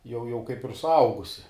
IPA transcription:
jɛʊ jɛʊ kɐɪp ɪr sʊˈɐʊɡʊsʲɪ

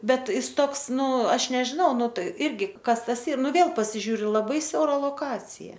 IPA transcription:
ˈbʲɛt ˈjɪs ˈtoːks ˈnʊ ˈɐʃ nʲɛʒʲɪˈnɐʊ ˈnʊ ˈtɐɪ ˈɪrʲɡʲɪ ˈkɐs ˈtɐs ˈiːr ˈnʊ ˈʋʲeːlˠ pɐsʲɪˈʒʲuːrʲʊ lˠɐˈbɐɪ ˈsʲɛʊrɐ lˠoːˈkɑːt͡sʲɪjɛ

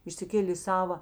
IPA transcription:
ɪʃʲsʲɪˈkʲeːlʲeː ɪ ˈsɑːʋɐ

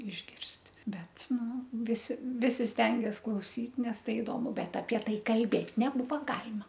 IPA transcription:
ɪʒʲˈɡʲɪrʲsʲtʲ ˈbʲɛt ˈnʊ ˈʋʲɪsʲɪ ˈʋʲɪsʲɪ ˈsʲtʲɛŋʲɡʲɛs klˠɐʊˈsʲiːt ˈnʲɛs ˈtɐɪ ɪˈdoːmʊ ˈbʲɛt ɐpʲiɛ ˈtɐɪ kɐlʲˈbʲeːtʲ nʲɛˈbuːʋɐ ˈɡɑːlʲɪmɐ

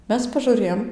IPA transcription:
ˈmʲɛs pɐʒʊˈrʲeːjoːm

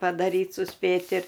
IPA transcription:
pɐdɐˈrʲiːt sʊˈsʲpʲeːtʲ ɪr

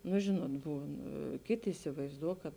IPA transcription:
nʊ ˈʒʲɪnuɔt ˈbuːn ˈkʲeːˌtʲeː ɪsʲɪʋɐɪzˈduɔ kɐt

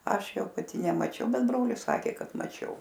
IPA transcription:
ˈɐʃ ˈjɛʊ pɐˈtʲɪ nʲɛmɐˈt͡ʃʲɛʊ ˈbʲɛt ˈbroːlʲɪs ˈsɑːkʲeː ˈkɐt mɐˈt͡ʃʲɛʊ

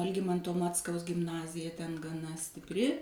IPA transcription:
ɐlʲˈɡʲɪmɐntoː ˈmɑːt͡skɐʊs ɡʲɪmˈnɑːzʲɪjɛ tʲɛn ɡɐˈnɐ sʲtʲɪpʲˈrʲɪ

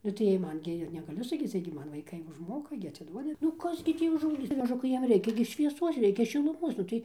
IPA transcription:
nʊ tɐɪ ˈjiɛj ˈmɐn ɡʲɪ ɪr nʲɛɡɐˈlʲʊ sɐˈkʲiːt͡s ˈjiɛj ɡʲɪ ˈmɐn ʋɐɪˈkɐɪ ʊʒˈmoːkɐ ɡʲɪ ɐt͡sʲɪˈduɔdʲɪ nʊ ˈkɐs ɡʲɪ ˈtʲiː ʊʒɐʊˈɡʲiːt͡s mɐˈʒʊkɐɪ ˈjiɛm ˈrʲɛɪkʲɛ ɡʲɪ ʃʲʋʲiɛˈsuɔs ˈrʲɛɪkʲɛ ʃʲɪlˠʊˈmuɔs ˈnʊ tɐɪ

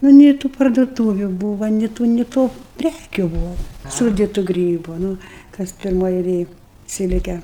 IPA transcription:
nʊ ˈnʲeː tuː pɐrduɔˈtuːʋʲʊ ˈbuːʋɐ nʲɪ ˈtuː nʲɪ ˈtoː ˈpʲrʲækʲʊ ˈbʊʋɐ ˈsuːdʲɪtʊ ˈɡrʲiːbʊ nʊ ˈkɐs pʲɪrˈmoːj ɛɪˈlʲeːj ˈsʲɪlʲkʲɛ

